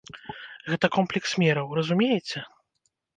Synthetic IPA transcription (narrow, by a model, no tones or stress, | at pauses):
ɣɛt̪ɐkɔmplʲɛksmʲɛɾɐwrɐzumʲejɛt͡sʲɛ